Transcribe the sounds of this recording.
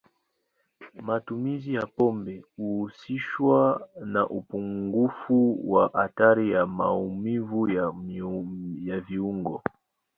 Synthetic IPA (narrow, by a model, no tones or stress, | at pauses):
matumizijapɔmbɛuhːsiʃwanaʔupuŋɡufuwaʔataɾijamaumivuja | javiuŋɡɔ